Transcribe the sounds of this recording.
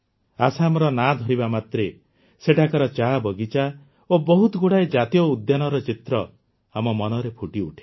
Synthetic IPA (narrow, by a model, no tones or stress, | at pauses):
asamɔɾɔnad̪ʱɔɾibamat̪ɾe | seʈʰakɔɾɔt͡ʃabɔɡit͡ʃa | obɔɦut̪ɔɡuɽaed͡ʒat̪ijɔud̪janɔɾɔt͡ʃit̪ɾɔ | amɔmɔnɔɾepʰuʈiuʈʰe̥